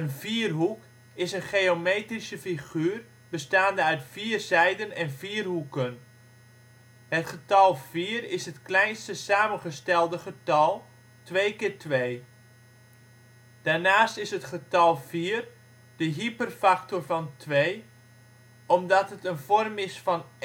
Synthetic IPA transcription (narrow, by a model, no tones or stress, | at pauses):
ənviːərɦuk | ɪsənχeːomeːtrisəfiχyːr | b̥əstaːndəœɥtfiːərzɛjdənɛnviːərɦukən | hətχətɑlˠv̥iːrɪsɦətklɛjnstəsaːmənχəstɛlˠdəχətɑlˠ | tʋejkɪːɹtʋej | d̥aːrnaːstɪsɦətχətɑlˠv̥iːr | d̥əɦipərfaktorvɑntʰʋej | ɔmdɑtɦətənvɔrmɪsfɑn